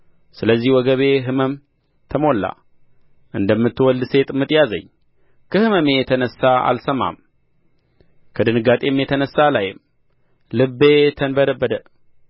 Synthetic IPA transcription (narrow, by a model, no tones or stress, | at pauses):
sɨləzːihwɔɡəβe̞ɦɨməm | t̪ʰəmo̞lːa̰ | ʔɨnd̪əmːɨt̪ːɨwɔld̪ɨse̞t̪ʼmɨt̪ʼjazə̰ɲː | kʰəhɨməmejɛt̪ʰənəsːaa̰lsəma̰m | kʰəd̪ɨnɨɡat̪ʼe̞mjɛt̪ʰənəsːalajɪm | lɨbːet̪ʰənbəd̪əbːəd̪ə